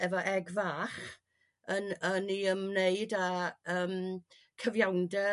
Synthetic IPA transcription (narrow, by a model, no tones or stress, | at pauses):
ɛvɔʔɛɡvaːχ | ənəniəmmneɨdaəːm | kʰəvjawndɛ